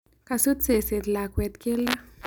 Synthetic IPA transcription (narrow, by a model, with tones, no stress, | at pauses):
ka˨su˦t͡se˨se˨t̪la˨kwɛ˧t̪ke˦la˦